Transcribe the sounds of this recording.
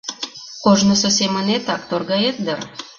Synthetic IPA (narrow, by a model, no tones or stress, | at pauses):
qoʒnɤ̆sŏsemə̆net̪ɑk̚t̪orɡɑet̪̚d̪ɤr